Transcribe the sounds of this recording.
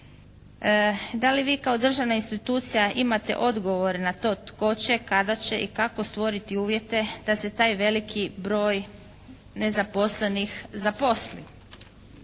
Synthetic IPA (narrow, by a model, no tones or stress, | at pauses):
d̪aliʋiːkao̞d̪r̩ʒaʋnainst̪it̪uːt̪sijaʔimat̪e̞̰ʔo̞d̪ɡo̞ʋo̞ɾenat̪o̞ːt̪ko̞t͡ɕe̞kad̪at͡ɕe̞ʔikako̞st̪ʋo̞ɾit̪iuːʋje̞t̪e̞d̪̥ase̞t̪aːjʋe̞likʰibɾo̞ːj | ne̞zapo̞sle̞nixzapo̞slḭ